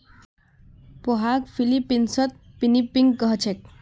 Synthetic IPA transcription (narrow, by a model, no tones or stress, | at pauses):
poɦakpʰilipːinsət̪̚ | pinipːiŋɡkəɦt͡ʃʰek̚